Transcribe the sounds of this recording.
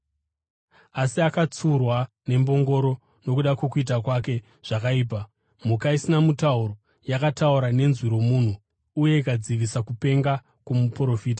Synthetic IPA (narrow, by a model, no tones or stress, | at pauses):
asiakat͡surwa | ne̞mbo̞ŋɡo̞ɾo̞ | no̞kuɗakwe̞kuit̬akwake̞ | ʐ̥akaiːp̬a | m̤ukaisinamutauro̞ | jakatauɾane̞nzwiɾo̞muːn̤uː | je̞ikad͡ziʋisakupe̞ŋɡa | kumupro̞fiːt̬a